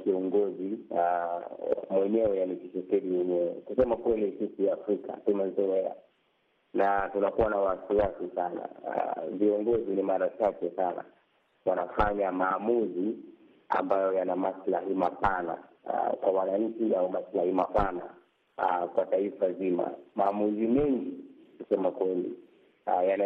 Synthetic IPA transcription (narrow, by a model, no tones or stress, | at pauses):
kiɔŋɡɔzia | mwɛɲɛɛjanikiʃɛkɛɗiwɛɲɛwɛkusɛmakwɛlisisijaːfɾikʰa̰tunazɔɛa̰ | natunakuwanawasiwasisana̰viɔŋɡɔzinimaɾat͡ʃakɛsana̰ | wanafaɲamaːmuzi | a̰mbajɔjanamaslahimapana̰ | kwawanaɲ̩t͡ʃiaumaslahimapana̰ | kwataifazima̰maːmuzimɛŋɡikusɛmakwɛlḭ | jana